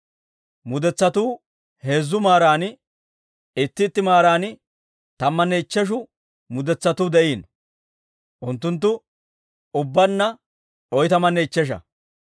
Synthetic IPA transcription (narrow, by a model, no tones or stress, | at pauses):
mʊd̪ɛt͡sːɐt̪uː | he̞ːzːʊmaːɾaːnɪ | ɪt̪ːɪt̪ːɪmaːɾaːnɪ | t̪ɐmːɐnːɛɪt͡ʃːɛʃ̬ʊ | mʊd̪ɛt͡sːɐt̪uːd̪ɛʔiːn | ʔʊnt̪ːʊnt̪̬ːʊ | ʊbːɐnːɐ | ɔjt̪ɐmɐnːɛɪt͡ʃːɛʃ̬ɐ̰